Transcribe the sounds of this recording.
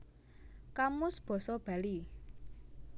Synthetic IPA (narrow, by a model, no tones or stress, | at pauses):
kamʊsb̥ɔ̤sɔb̥a̤li